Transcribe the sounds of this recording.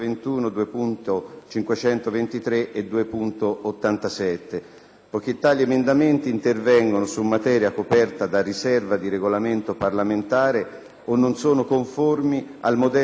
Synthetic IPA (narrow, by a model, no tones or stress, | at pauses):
vent̪uːnod̪uːepunt̪ot͡ʃiŋkwet͡ʃɛnt̪ovent̪it̪ɾeʔed̪ːuːepunt̪oːt̪ːant̪asɛt̪ːe | pɔk̟it̪ːaʎːiemend̪ament̪iːnt̪ervɛŋɡonosumːat̪ɛːɾjakopɛrt̪ad̪arisɛrvad̪iɾeɡolament̪oparlament̪aːɾe | onːonsoːnokoɱformia̰lmod̪ɛ